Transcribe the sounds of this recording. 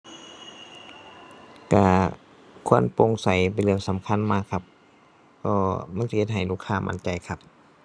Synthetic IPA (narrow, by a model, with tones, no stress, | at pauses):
ka˧˩ | kʰu˧˥˨ə˨npo˧ŋsa˨˦jp̬a˨˩lɯ˧˩əŋsa˨˦mkʰa˧˥˨nmaː˧˩kʰːa˧p̚ | ʔɔː˧˩ma˧˥˨nsi˧he˧t̪̚ɦa˨˩jluː˧˥˩kʰːaː˧˨mʔa̰˧˥nt͡ɕa˨˩jkʰa˧p̚